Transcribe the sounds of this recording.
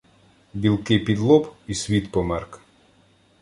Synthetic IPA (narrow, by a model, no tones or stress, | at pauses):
bʲilˠkɪpʲid̪lˠɔpisʲʋʲit̪pɔmɛrk